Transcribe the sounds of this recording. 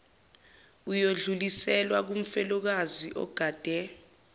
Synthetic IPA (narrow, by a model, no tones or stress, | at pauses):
ujoɮulisɛlwak̬um̩fɛlɔk̬aziʔɔ̰ɡ̥ʱaːd̥ʱɛ